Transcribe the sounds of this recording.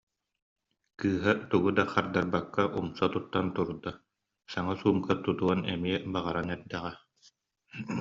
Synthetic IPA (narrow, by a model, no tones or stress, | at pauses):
kɯːɦat̪uɡud̪aχaɾd̪aɾbakːaʔumsat̪ut̪ːant̪uɾud̪a | saŋasuːmkat̪ud̪uɔnɛ̰miɛbaʁaɾanɛɾd̪ɛʁɛ